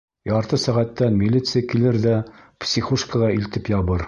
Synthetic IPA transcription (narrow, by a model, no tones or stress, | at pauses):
jɑɾt̪ɤsæʁæt̪ːænmʲilʲit̪sɨjakilɘɾðæpsʲiχuʃkəlˠɑilt̪ɘpjɑβɤɾ